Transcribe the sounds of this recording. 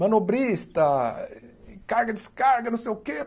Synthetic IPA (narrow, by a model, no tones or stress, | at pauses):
mɐ̃nobɾist̪ɐ | kaɾɡɐd͡ʒɪskaɾɡɐnũsejʊke